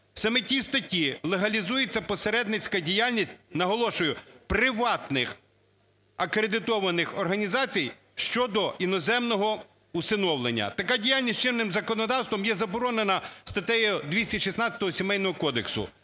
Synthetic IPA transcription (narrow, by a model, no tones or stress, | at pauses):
w̥sɐmetʲist̪ɐtʲilˠeɦɐlʲizujet͡sʲːɐpɔseɾɛd̪nɪt͡sʲkɐdʲijalʲnʲisʲtʲnɐɦɔlˠɔʃʊjʊpɾɪʋɑt̪nɪx | ɐkɾed̪ɪt̪ɔʋɐnɪxɔrɦɐnʲizɑt͡sʲij | ʃt͡ʃɔd̪ɔʔinɔzɛmnɔɦɔ | usɪnɔwlˠenʲːɐ̰t̪ɐkadʲijalʲnʲisʲt͡ʃɪnnɪmzɐkɔnɔd̪ɑwst̪ʋɔmjɛzɐbɔɾɔnenɐst̪ɐt̪ɛjɛd̪ʋʲisʲtʲiʃisnɑt͡sʲːɐt̪ɔɦɔsʲimɛjnɔɦɔkɔd̪eksʊ̰